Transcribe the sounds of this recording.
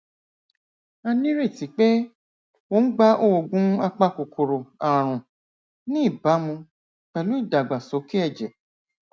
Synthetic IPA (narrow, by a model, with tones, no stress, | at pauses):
a˧nĩ˦ɾe˦˨ti˨˦k͡pe˦ | wo˦n̩˦ɡ͡ba˦ʔo˦o˨ɡũ˦a˧k͡pa˦ko˨kʰo˨ɾo˨ã˨ɾ̃ũ˨ | nĩ˦˨ba˨˦mũ˧ | k͡pɛ˨lu˦i˦˨da˨ɡ͡ba˨so˨˦ki˦ɛ˦˨d͡ʒɛ˨